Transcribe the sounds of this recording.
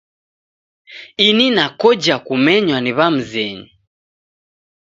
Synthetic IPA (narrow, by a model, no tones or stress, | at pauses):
ininakɔd͡ʒakumɛɲwaniβam̩zɛɲi